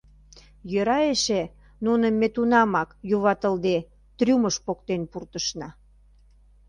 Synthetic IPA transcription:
jøɾɑeʃe | nunə̆mːet̪unɑmɑkjuβɑt̪əld̪e | t̪rʲuməʃpokt̪enpurt̪əʃnɑ

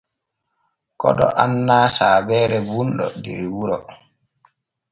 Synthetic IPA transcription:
kɔɗɔʔanːaːsaːbɛːɾɛbunɗɔ̰dḭɾiwuɾɔ

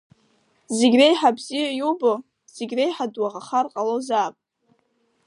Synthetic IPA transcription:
zeɡʲrejħabzijajubo | z̥eɡʲrejħadwaʁaχarqʼalozaːpʼ

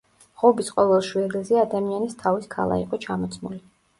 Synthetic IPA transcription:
ʁɔbisqʼɔvɛlˠʃwɛdɛzɛad̪amianist̪ʰaviskʰa̰lˠa̰ḭqʼɔt͡ʃʰamɔt̪sʰmuli

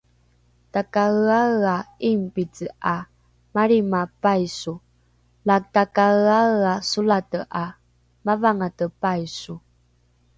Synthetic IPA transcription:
takaəaɣaimpit͡səa | maɾimapajsu | lak̚takaaasulatəʔa | mavaŋatəpajsu

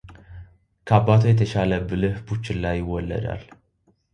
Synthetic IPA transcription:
kʰabat̪ʰujɛt̪ʰəʃaləbɨlɨhbut͡ʃːɪlːajːɪwːɔlːə̰d̪a̰l

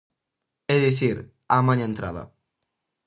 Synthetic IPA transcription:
eðiθiɾ | amãɲaẽnt̪ɾa̰ðɐ̰

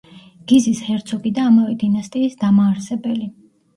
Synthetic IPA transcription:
ɡ̥izishɛɾt̪sʰɔɡid̪aːmavɛd̪inast̪ʼiːsd̪amaːɾsɛbɛli

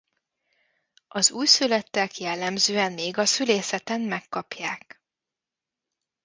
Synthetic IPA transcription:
ʔɒzuːjsylɛt̪ːɛkjɛlːɛmzøːɛnmeːɡɒsyleːsɛt̪ɛmmɛkːɒpjaːk

